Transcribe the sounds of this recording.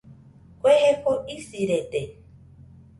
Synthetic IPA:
kʷeɦekoʔisiɾet̪e

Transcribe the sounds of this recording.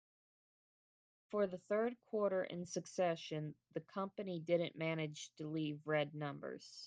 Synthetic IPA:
fə˞ðɨθɜ˞d̚kʰw̥ɔɹɾə˞ʔɪ̰̃nsɨksɛʃɨ̃nðɨkʰʌ̃mpɨnidɪdⁿn̩mæñɨ̥ʒ̥tʰɨlivɹɛdⁿnʌ̃mbə̰˞z̥

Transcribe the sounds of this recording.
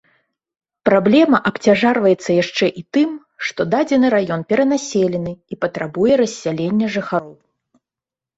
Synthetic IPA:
pɾablʲɛmɐʔɐpt͡sʲaʐarvɐjɛt̪sːɐjaʂt͡ʂɛʔit̪ɨm | ʂt̪ɔd̪ad͡zʲɛnɨɾajɔnpʲɛɾɐnasʲelʲɛnɨipɐt̪ɾabujɛɾɐsʲːalʲenʲːɐʐɨxaɾɔw

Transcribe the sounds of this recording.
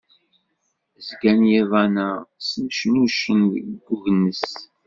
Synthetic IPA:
zɡænjævænæsəmʃnuʃənɡːuʝənːəs

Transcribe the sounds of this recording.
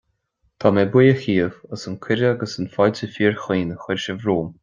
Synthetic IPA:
t̪ʰaːmɛbʊjəxiːəvəsənkʰɪɾəaɡəsənfɔjtʰəfiːɹxiːnəxɪɹʃəvɾuːm

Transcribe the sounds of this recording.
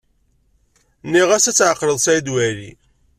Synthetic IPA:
nːiʁæsæt͡sːʕəqːɾəðˤsæjd̪wæɾḭ

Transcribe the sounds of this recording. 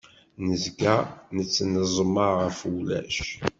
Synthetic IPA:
nəzɡænət͡sːnəzˤməʁəfulæ̰ʃ

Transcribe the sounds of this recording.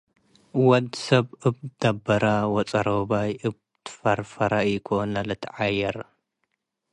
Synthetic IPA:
wɐd̪sɐβɨbd̪̥ɐbːɐɾawɔt͡sʼɐɾobajʔɨb | t̪ʰfɐɾfɐɾakʰonɐlɨt̪ʰʕajɐɾ

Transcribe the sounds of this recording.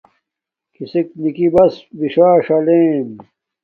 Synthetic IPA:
kisik̚nikibɐsbiɕaːɕɐleːm

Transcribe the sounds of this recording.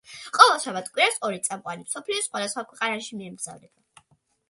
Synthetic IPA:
qʼɔvɛlˠʃavat̪ʰkʼwiɾasɔɾit̪sʼamqʼwanimsɔpʰliɔsχwad̪asχwakʰwɛqʼanaʃimiɛmɡz̥a̰vɾɛb̥a

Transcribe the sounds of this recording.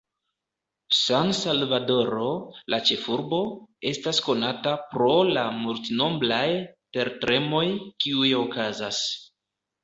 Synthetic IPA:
sansalvado̞ɾo̞lʔat͡ʃe̞fuɾbo̞e̞stasko̞natapɾo̞lamultno̞mblajte̞ɾtɾe̞mo̞jkiujo̞kazas

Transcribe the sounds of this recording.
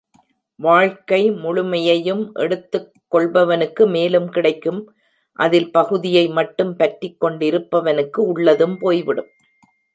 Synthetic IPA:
ʋaːɻkɐɪmʊɻʊmɐjɐjɯmʔɛ̰ɽɯt̪ːɯkkːɔɭbɐʋɐnɯkːɯmeːlɯmkɪɽɐɪkːɯm | ʔɐðɪlpɐɣɯðɪjɐɪmɐʈːɯmpɐʈɾɪkːɔɳɖɪɾɯpːɐʋɐnɯkːɯʊɭːɐðɯmpoːjʋɪɽɯm

